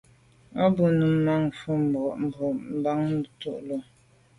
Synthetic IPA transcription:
a˦bu˦nu˨m̩˦ma˦ŋ˨fu˦m̩˨bɔ˨ʔm̩˨bɔ˨m̩˦˨ba˦ŋ˦˨tu˦˨ʔlo˨

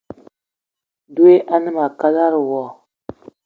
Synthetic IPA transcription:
du˦e˦ʔa˦nɨ˦ma˨ka˦la˦ɾwɔ˦˨

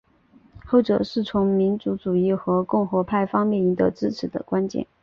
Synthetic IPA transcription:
xo˥˩ʊʈ͡ʂɤ̰˨˩ʂɻ̩˥˩t͡sʰʊ˧˥ŋmi˧˥nt͡su˧˥ʈ͡ʂu˨˩i˥˩xɤ˧˥kʊ˥˩ŋxwɔ˧˥pʰa˥˩ɪfɑ˥ŋmjɛ˥˩ni˧˥d̪ə˧ʈ͡ʂɻ̩˥ʈ͡ʂʰɻ̩˨˩d̪ə̰˧˦kwa˥nt͡ɕjɛ̰˥˩n

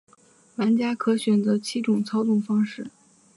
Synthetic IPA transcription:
wa˧˥nt͡ɕja˥kʰɤ˧˥ɕɥɛ˨˩nt͡sɤ˧˥t͡ɕʰi˥ʈ͡ʂʊ˨˩ŋt͡sʰɑ˥ʊt͡sʊ˥˩ŋfɑ˥ŋʂɻ̩˥˩

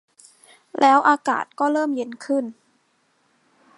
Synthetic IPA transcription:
lʔɛː˦˥wʔaː˧ka̰ː˨˩t̪̚kɔː˥˩ɾɤː˥˩mje˦˥nkʰɯ˥˩n

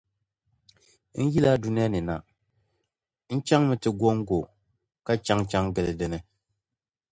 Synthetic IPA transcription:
n̩˦ji˦la˦du˦ni˦a˦nɨ˨na˨ | n̩˦t͡ʃa˦ŋmɨ˦tɨ˨ɡo˦ŋ˦ɡo˨ | ka˦t͡ʃa˦ŋt͡ʃa˦ŋɡɨ˨lɨ˨dɪ˦nɨ˦

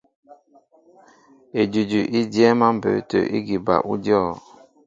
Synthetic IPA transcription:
e˨d͡ʒu˨d͡ʒu˨ʔi˦djɛ˦ma˦m̩˨bə̰˨˦tə̰˨ʔḭ˦ɡi˨ba̰˨ʔu˦dɔ˦˨

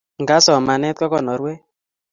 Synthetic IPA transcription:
ŋɡa˦sɔ˨ma˨nɛ˦tɔ˦kɔ˦˨nɔ˨ɾwɛ˦

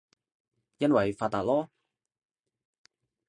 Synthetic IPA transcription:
jɐ˥nwɐ˨jfaː˧t̪ːaː˨t̚lɔː˥

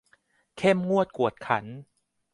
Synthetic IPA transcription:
kʰe˥˩mŋu˥˩ət̪̚ku˨˩ət̪̚kʰa̰˩˦n

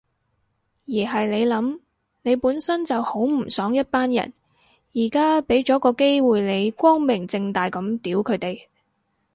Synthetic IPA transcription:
jiː˨˩ɦɐ˨jne˨˧jlɐ˨˥m | ne˨˧jpuː˨˥nsɐ˥nt͡sɐ˨who˨˥wm̩˨˩sɔː˨˥ŋjɐ˥t̚paː˥njɐ̰˨˩n | jiː˨˩kaː˥pe˨˥jt͡ʃɔː˨˥kɔː˧ke˥jwuː˨jle˨˧jkʷɔː˥ŋmɪ˨˩ŋt͡sɪ˧ŋt̪aː˨jkɐ˨˧˥mt̪iː˨˥wkʰɵ˨˧ɥt̪e˨j

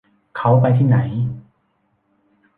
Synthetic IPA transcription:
kʰa˦˥wpa˧jt̪ʰiː˥˩na˩˦j

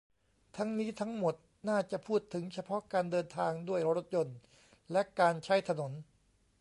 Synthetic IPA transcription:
t̪ʰa˦˥ŋniː˦˥t̪ʰa˦˥ŋmo˨˩t̪̚ | naː˥˩t͡ɕa˨˩pʰuː˥˩t̪ʰːɯ˩˦ŋt͡ɕʰa˧pʰɔ˦˥kaː˧ndɤː˧nt̪ʰaː˧ŋdu˥˩əjɾo˦˥t̪̚jo˧n | lɛ˦˥ʔkaː˧nt͡ɕʰa˦˥jt̪ʰa˧no˩˦n

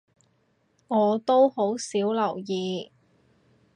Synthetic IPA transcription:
ŋɔː˨˧t̪o˥who˨˥wsiː˨˥wlɐ˨˩wjiː˨˧

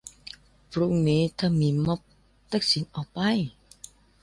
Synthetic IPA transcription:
pɾu˧ŋniː˨˦t̪ʰa˧˩miː˨˦mɔ˧˥p̚ | t̪a˧˩k̚si˨˦nʔɔː˨˩pa˧j

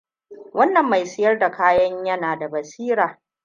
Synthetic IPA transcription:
wɐ˦nːɐ˨mːa˨jsɪ˦jɐ˦rda˨kaː˦jɐ˦ɲjɐ˦naː˨da˨bɐ˨siː˦ɾaː˨

